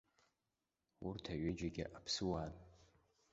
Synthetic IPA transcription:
urtʰaɥed͡ʒaɡʲɪ̰ʔapʰsɨwaːn

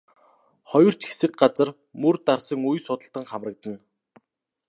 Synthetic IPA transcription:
χɔjɞ̆r̥t͡ɕxe̥sɘ̆k̚ɢat͡sə̆r | mɵrt̪arsə̆ŋujsʊt̪ə̆ɬt̪ə̆ŋχamrə̆k̚t̪ə̆n

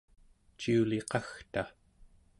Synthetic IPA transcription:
t͡ʃiuleqɑxt̪a

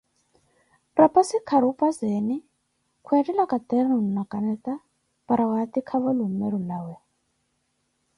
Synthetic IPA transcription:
rapʼasikʰaɾupʼazɛni | kʰuatilakat̪ɛrnun̩nakanɛt̪a | paɾawat̪ikʰaβalumɛɾulawɛ

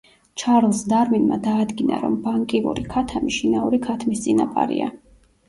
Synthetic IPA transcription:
t͡ʃʰaɾlˠsd̪aɾminmad̪aːd̪ɡina̰ɾɔmbaŋkʼiṵɾikʰat̪ʰamiʃinauɾikʰat̪ʰmist̪sʼinapʼa̰ɾḭa̰

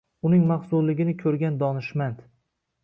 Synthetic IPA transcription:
ʊnɪŋmaχsʊllɪɡʲɪnɪkʲʰɵɾɡʲand̪ɒnɪʃmant̪

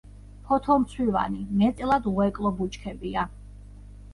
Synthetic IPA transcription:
pʰɔt̪ʰɔmt̪sʰwiva̰nimɛt̪sʼɛlˠad̪ʁɔɛkʼlˠɔbut͡ʃʼkʰɛbia

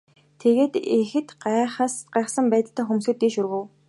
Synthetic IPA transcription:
t̪ʰeɣeːt̪exɘ̆t̪ɢaχaːsɢæːχsə̆mpæːt̪ə̆ɬt̪aːxumsɘ̆t̪ːiːʃurɣɘ̆w

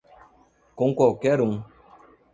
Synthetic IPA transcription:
kõŋkɔkɛɾuŋ

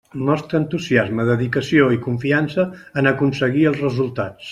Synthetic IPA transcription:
nɔst̪ɾəːnt̪uziazməðəðikəsioikuɱfiansəːnəkunsəɣiəlˠzrəzulˠt̪at͡s

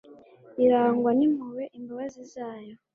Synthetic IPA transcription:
iɾaːŋɡwanimuweʔimbaβazizaːjo

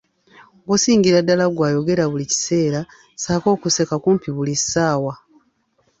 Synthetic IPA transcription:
ɡusiːŋɡiɾadːalaɡwaːjo̞ɡe̞ɾaβulici̥se̞ːɾa | saːko̞ːkuse̞kakumpiβulisaːwa

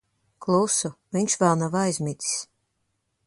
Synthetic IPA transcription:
klˠusuviɲʃvalˠnavajzmʲit̪ʲi̥s

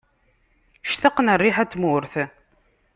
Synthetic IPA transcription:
ʃθəqːnərːiħæt͡sːmʊɾθ

